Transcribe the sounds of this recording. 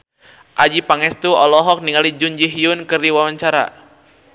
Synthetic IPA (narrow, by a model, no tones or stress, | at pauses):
ʔad͡ʒipaŋɛst̪uɔlɔɦɔk̚niŋalid͡ʒuɲd͡ʒiɦiʊnkɨrdiwawaɲt͡ʃaɾa̰